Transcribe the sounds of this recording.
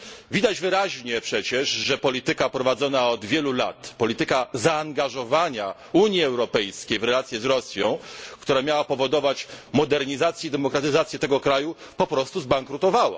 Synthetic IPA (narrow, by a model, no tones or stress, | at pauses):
vʲid̪ad͡ʑvɘɾaʑɲɛpʂɛt͡ɕɛʐʐɛpɔlʲit̪ɘkapɾɔvad̪zɔnaɔd̪vʲjɛlula̰t̪pɔlʲit̪ɘkazaːŋɡaʐɔvaɲa | uɲjiɛwɾɔpɛjskʲejvɾɛlat̪sʲjɛzɾɔsʲjɔ̃w̃kt̪uɾamʲjawapɔvɔd̪ɔvat͡ɕmɔd̪ɛɾɲizat̪sjɛid̪ɛmɔkɾat̪ɘzat̪sʲjɛt̪ɛɡɔkɾajupɔpɾɔst̪uzbaŋkɾut̪ɔvawa̰